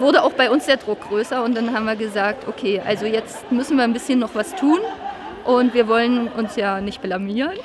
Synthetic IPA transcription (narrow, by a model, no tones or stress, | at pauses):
vʊɐɾəʔaʊxb̥aɪʊnsd̥eːɐdʁʊk̚ɡ̥ʁøːsɐʊnt̚d̥anɦaːm̩viːɐɡəzaːk̚tʰʔokʰeːʔa̰lzojɛt͡stmʏsn̩viːɐnbɪsçənːɔχv̥astʰuːn | ʔʊntv̥iːɐvɔlənʔʊnsjaːnɪçt̚b̥lamiːʁən